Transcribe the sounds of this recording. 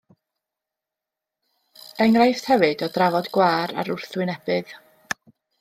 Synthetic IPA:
ɛŋrajθthɛvɨdɔdravɔdɡwaːɾa̰ɾʊrθwɨnɛb̥ɨð

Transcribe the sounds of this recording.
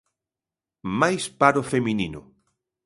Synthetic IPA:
majspaɾofemininʊ̰

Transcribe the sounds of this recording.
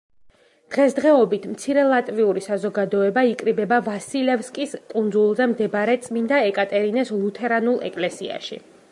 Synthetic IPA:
d̪̥ʁɛsd̪ʁɛɔbit̪ʰmt̪sʰiɾɛlˠat̪ʼviuɾisazɔɡad̪ɔɛbaikʼɾibɛbavasilɛfskʼiskʼund̪zulˠzɛmd̪ɛbɾɛt̪sʼmind̪aɛkʼat̪ʼɛɾinɛslˠut̪ʰɛɾanulˠɛ̰kʼlɛsḭa̰ʃḭ

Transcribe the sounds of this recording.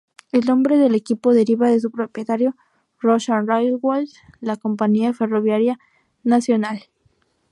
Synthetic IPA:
e̞lõ̞mbɾe̞ðe̞le̞kipo̞ðe̞ɾiβaðe̞s̬upɾo̞pje̞t̪aɾjo̞ | roʃanrajlwalt̪ | lako̞mpaɲiafe̞ro̞βjaɾja | nasjo̞nal

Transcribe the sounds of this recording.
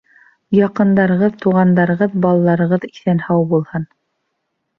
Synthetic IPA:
jɑqɤ̆nd̪ɑɾɤ̆ʁɤðt̪uʁɑnd̪ɑɾɤ̆ʁɤðbɑlˠɑlˠɑɾɤ̆ʁɤðiθænhɑwbulˠhɤn

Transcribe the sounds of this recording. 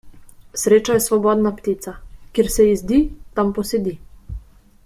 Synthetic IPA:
sɾeːt͡ʃajɛsʋɔbɔd̪napt̪iːt̪sakeɾsɛizd̪iːt̪ampɔsɛd̪i

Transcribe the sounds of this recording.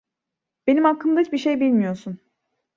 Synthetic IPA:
be̞nimakʰːɯmd̪ait͡ʃbiɾʃe̞jbilʲmijo̞sun

